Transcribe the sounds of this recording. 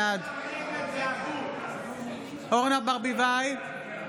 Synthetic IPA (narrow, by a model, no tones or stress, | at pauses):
ad̪ | hoʁnabaʁbivaj